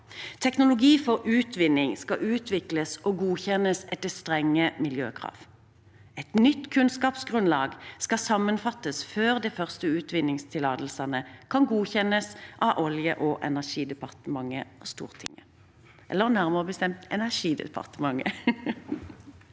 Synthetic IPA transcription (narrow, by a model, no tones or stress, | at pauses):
t̪ʰɛknʊlʊɡiːfɔʁʉːt̪ʰʋɪnːɪŋskɑʔʉːt̪ʰʋɪkləsɔɡuːçɛnəsɛt̪ːəst̪ʁɛŋːəmɪljøːkʰʁɑ̰ːʋ | ɛt̪nʏt̪ːkʰʉnskɑːpsɡʁʉnlɑːɡskɑsɑmːənfɑt̪ːəsføːʁd̪ɛfœʁst̪əʉːt̪ʰʋɪnɪŋst̪ʰɪlɑːd̪l̩sɑnəkʰɑnɡuːçɛnːəsʔɑʔɔljəʔɔʔɛnæʁʂiːd̪əpɑʁt̪əmɑŋːəɔst̪ṵːʁt̪ʰɪ̰ŋə | ɛ̰lːəʁnæʁməʁəbəst̪ɛmt̪ɛnæʁʂiːd̪ə̰pʰɑ̰ʁt̪əmɑŋə̰